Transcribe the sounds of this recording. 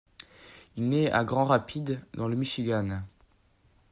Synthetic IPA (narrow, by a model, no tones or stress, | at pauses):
ilnɛa̰ɡʁɑ̃ʁapʰid̪d̪ɑ̃ləmiʃiɡʲan